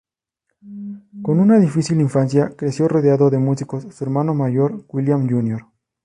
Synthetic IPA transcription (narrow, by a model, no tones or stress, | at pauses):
ko̞nunaðifisiliɱfansjakɾe̞sjo̞roðeaðo̞ðe̞musiko̞sːue̞ɾmano̞maʝoɾwiljamʝunjoɾ